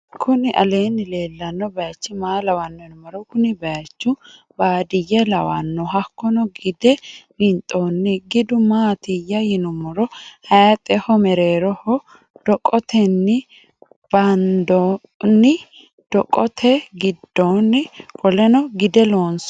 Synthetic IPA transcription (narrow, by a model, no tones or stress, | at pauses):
kʰʊnɪʔɐ̰le̞ːnːɪle̞ːlːɐnːɔbɐjɐt͡ʃːɪmaːlɐwɐnːɔjɪnʊmɔɾɔkʊnɪbɐjɐt͡ʃːʊ | baːd̪ɪjɛlɐwɐnːɔɦɐkːɔnɔɡɪd̪ɛɾɪnt̪ʼoːnːɪɡɪd̪ʊmaːt̪ɪjːɐjɪnʊmɔɾɔhɐjɐt̪ʼɛhɔmɛɾe̞ːɾɔhɔ | d̪̥ɔkʼɔt̪ʰɛnːɪ | b̥ɐnd̪ɔ | nːɪ | d̪̥ɔkʼɔt̪ʰɛɡɪd̪ːoːnːɪkʼɔlɛnɔɡɪd̪ɛloːns